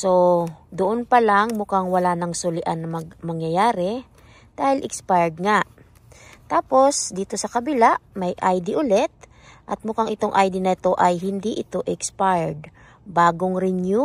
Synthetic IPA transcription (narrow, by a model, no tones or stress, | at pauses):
so̞d̪oʔonpɐlaŋmʊkaŋwɐlaːnɐŋsʊlɪʔanːɐmɐɡmɐŋjɐjaːɾɛ | d̪̥aːhɪlʔɪkspajd̪̚ŋaʔ | t̪aːpo̞sd̪iːt̪o̞sɐkɐbɪlaʔmɐjʔajd̪ɪʔʊlɛt̪̚ | ʔɐt̪̚mʊkaŋʔɪt̪o̞ŋʔajd̪ɪnɐɪt̪o̞ʔɐjɦɪnd̪iʔɪt̪o̞ʔɛkspajd̪ | baːɡoŋɾɪnju